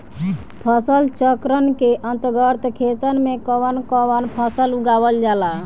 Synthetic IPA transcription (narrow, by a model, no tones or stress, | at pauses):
pʰəsəlt͡ʃəkɾənkeʔə̃nt̪ɡəɾt̪kʰet̪ənmẽkəʋənkəwənpʰəsəluɡaːwəld͡ʒala